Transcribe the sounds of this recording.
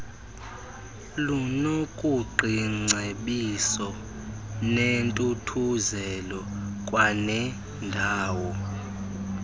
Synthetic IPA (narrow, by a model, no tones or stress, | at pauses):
lunokʼuǃʱiŋ͡ǀʱeɓisɔ | nentʼutʰuzɛlɔkʼwanɛ | ndʱaːwɔ